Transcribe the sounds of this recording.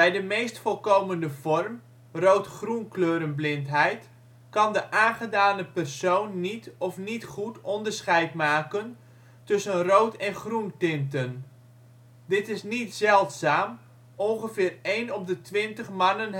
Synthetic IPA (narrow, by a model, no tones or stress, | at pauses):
b̥ɛjdəmejstfɔlˠkowməndəv̥ɔrm | rowtχrunkløːɾənblɪntɦɛjt | kɑndəʔaːnχədaːnəpərsownːitɔfnitχutɔndərsχɛjtmaːkən | tɵsənrowtɛnχruntɪntən | dɪtɪsnitsɛlˠtsaːm | ɔnχəvɪːrejnɔpdətʋɪntəχmɑnən